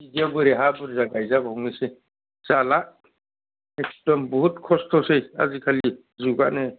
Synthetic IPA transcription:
iɡiabɯɾeɦabɯɾzaɡajzabɔŋnise | z̥ala | ekstɔmbɔɦut̚kʰɔstʰɔseja̰zikʰali | zuɡa̰ne

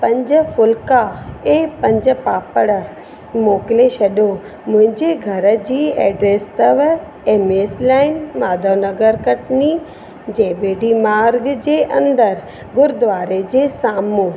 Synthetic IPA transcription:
pɐ̃ɲd͡ʑə̆fʊlkaeːpɐ̃ɲd͡ʑə̆paːpəɽə | moːkɪleʃɐɗo | mʊ̃ɦɪ̃ɲd͡ʑeɡʱɐɾə̆d͡ʑiːɛ̰ːɖɾeːst̪əʋ | eːmeːslaːɪnmaːd̪ʱoːnɐɡəɾkɐʈni | d͡ʑẽːbeːɖimaːɾɡd͡ʑeːʔɐ̃nd̪əɾ | ɡʊɾd̪ʊʋaːɾed͡ʑeːsaːmuː

